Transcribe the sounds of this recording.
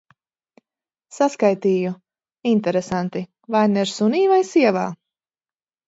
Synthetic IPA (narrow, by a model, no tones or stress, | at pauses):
saskajt̪iːju | int̪ɛɾesant̪i | vajnɛɾsuniːvajsiɛva̰ː